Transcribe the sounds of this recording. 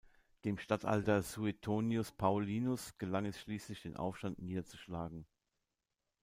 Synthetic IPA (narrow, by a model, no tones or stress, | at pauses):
d̥eːmʃtatʰʔa̰ltɐzuetʰoːniʊspʰaʊliːnʊsɡ̥əlaŋɛsʃliːslɪçd̥eːnʔa̰ʊfʃtantniːdɐt͡suʃlaːɡŋ̩